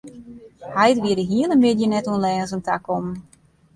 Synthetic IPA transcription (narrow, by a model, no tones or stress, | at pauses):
hajtʋiədəɦiəlˠəmʋɪdjənɛtuənlɛːnzəntakɔmn̩